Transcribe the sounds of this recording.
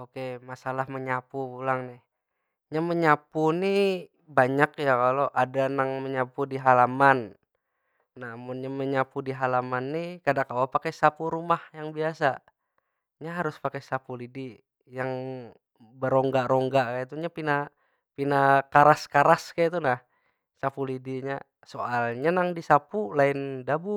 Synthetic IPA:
okemasalahməɲapubulaŋnɪh | ɲaməɲapuni | baɲakjakaloʔadanaŋməɲapudiɦalaman | amʊnɲaməɲapudiɦalamanːikadakawapakɛsapuɾumahjaŋbiasa | ɲaɦaɾʊspakɛsapulidi | jaŋ | bəɾɔŋɡaɾɔŋɡakajat̪uɲapina | pinakaɾaskaɾaskajat̪unah | sapulidiɲa | soalɲanaŋdisapulaɪndabu

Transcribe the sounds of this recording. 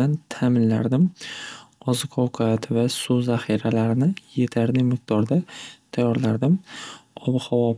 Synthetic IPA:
ant̪ʰamɪnla̰ɾd̪ɪm | ɒzɪkʰɒwkʰat̪vasʊzahiɾalaɾɪnɪje̞t̪ʰaɾd̪ɪmɪq̚d̪̥ɒɾd̪at̪ʰajːɒɾlaɾd̪ɪmɒbɪhɒwɒ

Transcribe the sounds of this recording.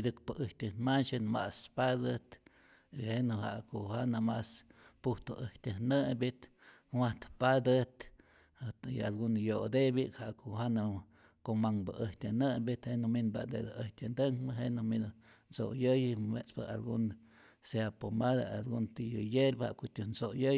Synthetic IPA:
d̪ɨkpəʔəht̪ʲənmant͡ʃɨnma̰ʔspad̪ət̪ | ihenuha̰ʔkohanamaspuht̪oʔəht̪ʲəhnəmbit̪ | wat̪pad̪ɨt̪ | ialɡunjod̪ebiʔkhaʔkoʔhana | komaŋbaʔəht̪ʲanəmbit̪henuminba̰d̪ed̪aəht̪ʲand̪əŋbəɦenumin | nso̰ʔjəjmet͡spəa̰lɡun | seapomad̪aalɡunt̪ijəjeɾbha̰ʔkot̪unsojəj

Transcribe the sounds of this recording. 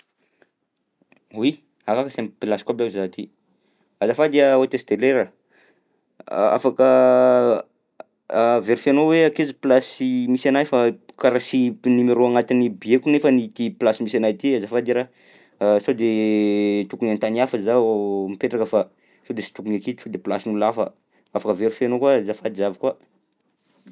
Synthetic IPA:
wi | akakəsampilasi̥kabakuzat̪i | azafad̪iaot̪est̪eleɾə | a̰fakə | veɾufianoweakeziplasimisanajfakaɾasinimeɾoaŋat̪inibiekunefənit̪iplasimisanajt̪iazafad̪iɾa | sad̪e | t̪ukunant̪aniafəzamipeʈ͡ʂakəfa | sod̪esi̥t̪u̥kunekit̪u̥od̪eplasinulafə̰ | afakəveɾufanokwazafad̪izavikwa

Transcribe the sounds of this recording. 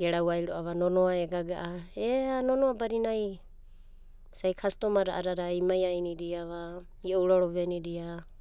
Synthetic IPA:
ɡeɾawajɾoʔaβanonoaeɡaɡaʔaeanonoabaɾinaj | sajkʰastomaɾa̰ʔaɾaɾajmajajniɾiaβa | iowɾoɾoβeniɾia

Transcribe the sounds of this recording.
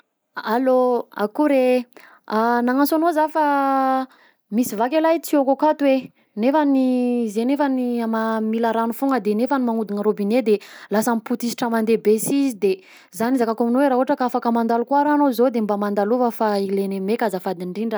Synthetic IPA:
aloa̰kuɾe | anaŋant͡sanozafa | misivakelajt͡siokokat̪we | nefanizenefaniamamilaɾanufuŋəd̪enefanimaŋud̪iŋəɾobined̪elasamiput̪isi̥ʈ͡ʂəmand̪ebesizid̪e | zanizakakominweɾaɦuaʈ͡ʂəkaafakəmand̪alukwaɾanozod̪embamand̪aluvəfailenemekʲazəfad̪iɳɖ͡ʐiɳɖ͡ʐə

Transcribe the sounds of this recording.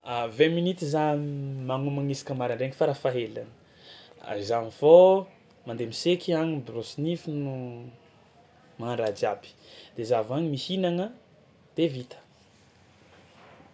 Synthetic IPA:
aveminit̪izamaŋumaŋisi̥kəmaɾaɳɖ͡ʐeŋifaɾafaɦelanə̥ | a̰izanifo | mand̪emisekʰʲiaŋibrosinifinu | maɾad͡ʒabi̥d̪̥ezavaɲimihinaŋə | d̪̥evit̪ʰə̥

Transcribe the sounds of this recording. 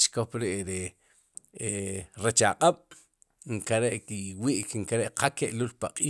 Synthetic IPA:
t͡ʃkopɾeʔɾe | eɾet͡ʃaqʼaɓ̥ | ŋkaɾeʔkiwiːʔkŋkaɾeʔqakeʔlulpaqʼiː

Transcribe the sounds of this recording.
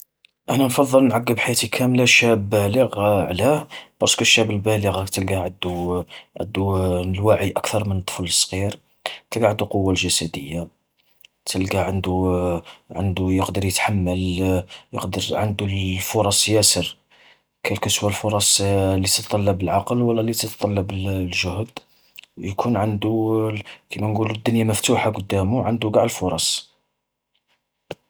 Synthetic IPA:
ʔænænfɑðˤːəlnʕaɡːəbħajæt̪ikʰæmlaʃæbːæləɣʕlæb̥ɑˤskæʃːæbəlbæləɣt̪əlɡæʕəd̪uʕə̰d̪ːunəlwaʕiʔækt̪ɑɾˤmənt̪ˤːfələsˤːɣiɾ | t̪əlɡaʕənd̪uqowːalʒæsæd̪əjːa | t̪əlɡæʕənd̪u | ʕə̰nd̪ujəqd̪əɾjət̪ħamːəljə̰qd̪əɾʕənd̪ulfʊɾˤɑsˤjæsəɾ | kʰælkəswælfʊɾˤɑsˤlːit̪ət̪t̪ˤːɑlːɑbəlʕɑqəlwəlːælit̪ət̪t̪ˤɑlːɑbəllʒʊhd̪ | jkʰunʕənd̪u | kʰəmænɡulud̪ːʊnjaməft̪uħaɡʊd̪ːæmuʕənd̪uɡaʕd̪əlfʊɾˤɑsˤ

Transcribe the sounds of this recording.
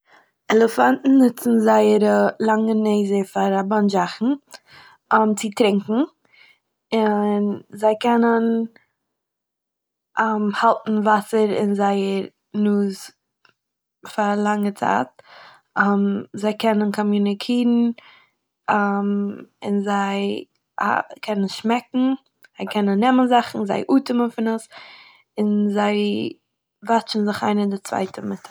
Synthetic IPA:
ɛlˠəfantn̩nːʊt͡sn̩zaɪəɾəlˠaŋəneɪzəfaɾabɔnd͡ʒaχn̩ | ɔmt͡sɪtɾɪŋkŋ̩ | ɪnzaɪkʰɛnən | əmhalˠtn̩vasəɾɪ̰nzaɪəɾ | nuːz | faɾlˠaŋət͡sa̰ːt̚ | amzaɪkʰɛnənkʰɔmjunɪkʰiːɾn̩ | amɪ̰nzaɪ | ha̰kʰɛnənʃmɛkŋ̩ | z̥aɪkʰɛnənːɛmənzaχn̩za̰ɪʔuːtɪmənfɪnəs | ɪnzaɪ | vat͡ʃn̩zɪχa̰ɪnədɪt͡sv̥a̰ɪtʰəmɪtʰ

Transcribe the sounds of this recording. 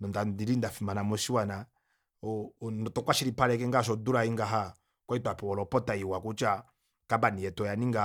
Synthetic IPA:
nɔndadiɾindafimanamɔsiwana | ɔnɔtɔkwaʃiɾipaɾɛk̬ɛŋɡaʃ̬ɔduɾaiŋɡaɦa | kwaitapɛwɔlɔpɔtaiwakut͡ʃa | kabaniɛtɔjaniŋɡa

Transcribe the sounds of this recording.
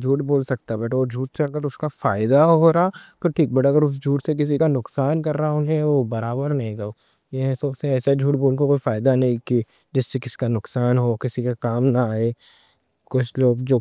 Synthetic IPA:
d͡ʒʱuːʈboːlsɐk̚t̪abɛːʈʰod͡ʒʱuːʈseɐɡəɾʊskafaːɪd̪aɦoːɾat̪ʊʈʰiːk̚bɐʈːɐɡəɾʊs̬d͡ʒʱuːʈsek̬ɪs̬ikanʊqsaːnkɐɾːaɦaɦõd͡ʒẽʋobɐɾaːbəɾnɐɦĩɡɐoː | jeɦɛ̃soʊseɛːsad͡ʒʱuːʈboːlkakoːifaːɪd̪anɐɦĩki | d͡ʒɪsːekɪsi̥kanʊksaːnɦokɪsikakaːmnaaːeː | kʊt͡ʃʰloːɡd͡ʒoː

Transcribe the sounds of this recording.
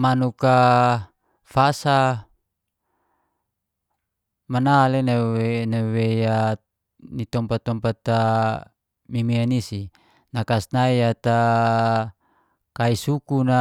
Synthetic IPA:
manuka | fasa | manalenaenaweja | nit̪ɔmpat̪ɔmpat̪a | mimianisi | nakasnaiat̪a | kaisukuna

